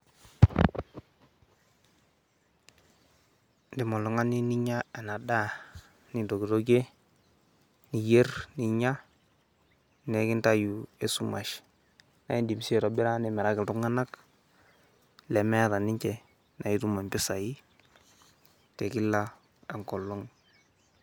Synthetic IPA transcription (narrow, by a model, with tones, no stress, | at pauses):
ndi˨mɔ˨lʊ˨ŋa˦ni˦ni˦ɲa˦e˨na˨da˦ | ni˨do˨ɡi˨ɾo˦ɡe˦ | ni˨je˦rni˨ɲa˦ | nɛ˨˦kɪ˦nta˦ju˨e˦su˦ma̰˨ʃ | na˨i˦ndi˨m˨se˦˨ɾɔ˨bɪ˦ɾa˦ndi˨mɛ˨ɾa˦kɪ˨tu˦ŋa˦na˦k | lɛ˨mɛ˦ɾa˨ni˦ɲt͡ʃɛ˨ | na˨i˦tu˦ma˨mpɪ˦sa˨i˦ | tɛ˨kɪ˦la˦ | a˨ŋkɔ˨lɔ˦ŋ